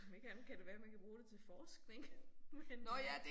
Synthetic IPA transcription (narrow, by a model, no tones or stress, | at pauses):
mekʰænkʰædeʋæːɐmænkʰæb̥ʁuːd̥et͡sʰe̝lfɒːsɡ̥neŋ̥menɔjæd̥e